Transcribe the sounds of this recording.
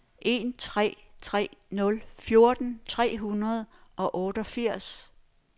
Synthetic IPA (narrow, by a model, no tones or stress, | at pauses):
ʔe̝nt͡sʰʁɛ̰ːt͡sʰʁɛ̰ːnɔ̽lfjo̝ɐd̥n̩t͡sʰʁɛ̰ːɦunɐð̞̩ˠʔɒ̽ʔɔ̽ːɾ̥əɒfiɐ̰s